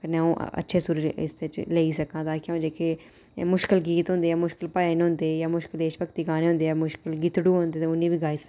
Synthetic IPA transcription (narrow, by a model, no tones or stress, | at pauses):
kəneõːʔə̰tːʃʰeːsʊɾɾɪ̰sd̪eːt͡ʃleiːsəkãːd̪aːkjõːd͡ʒeːkeː | mʊʃkɪlɡiːt̪ɦʊ̃nd̪eːaːmʊʃkɪlpaːeːnɦʊ̃ːnd̪eːjaːmʊʃkɪld̪eːʃpəkt̪iːɡaːneːõʊ̃ːnd̪eːɛːmʊʃkɪlɡiːt̪ɽuːɦõnd̪eːt̪eʊnːĩːbiːɡaːiːsə̥